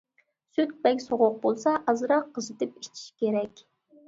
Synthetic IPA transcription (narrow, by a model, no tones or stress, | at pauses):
syt̪̚bɛkʲsoʁʊq̚bolˠsɑʔɑzɨɾɑqʰːəzɨt̪ɨpit͡ʃʰi̥ʃkʲeɾɛkʲ